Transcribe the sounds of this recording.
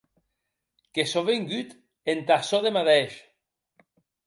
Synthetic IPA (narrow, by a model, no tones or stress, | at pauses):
kesoβeŋɡyt̪ | ent̪asoðemaðeʃ